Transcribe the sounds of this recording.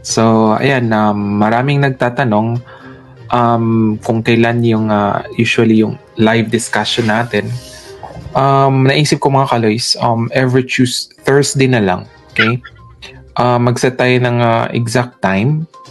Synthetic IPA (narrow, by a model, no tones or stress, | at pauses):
soʔɐ̰janʔɐmːɐɾaːmɪŋnɐɡ̚t̪aːt̪ɐno̞ŋ | ʔɐmkʊŋkɐjlanjʊŋa̰juːʃʊwɐlijʊŋ | lajvd̪ɪskaʃonːaːt̪ɛn | ʔɐmnɐʔiːsɪp̚koŋmɐŋakɐlojsʔɐmʔɛvɹit͡ʃusθɛɹsd̪ejnɐla̰ŋokej | ʔɐmːɐɡsɐt̪ajonɐŋɐʔɛ̰ɡzak̚t̪ːajm